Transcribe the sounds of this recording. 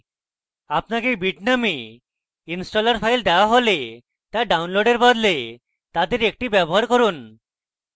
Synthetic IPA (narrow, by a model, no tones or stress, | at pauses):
apnakebiʈname | insʈolaɾpʰajld̪ɛoaɦole | t̪aɖawnloɖeɾbɔd̪le | t̪ad̪eɾek̚ʈibɛboɦaɾkoɾun